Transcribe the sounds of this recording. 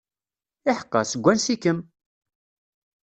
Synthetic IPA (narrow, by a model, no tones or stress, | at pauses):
ɪħə̥qːɑ̰səɡʷːænsikəm